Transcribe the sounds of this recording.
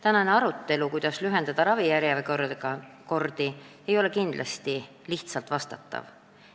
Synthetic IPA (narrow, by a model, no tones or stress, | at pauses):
t̪ænɑneɑɾut̪ːe̞lukujd̪̥ɑslyɦe̞nd̪̥ɑd̪̥ɑɾɑvijæɾjɑveko̥ɑko̞rd̪̥ie̞jo̞le̞kind̪̥lɑst̪i | liht̪sɑlt̪vɑst̪ɑt̪ːˑɑ̰v